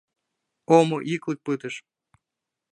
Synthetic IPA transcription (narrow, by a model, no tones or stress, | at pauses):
omoʔiklˠɨk̚pɨt̪əʃ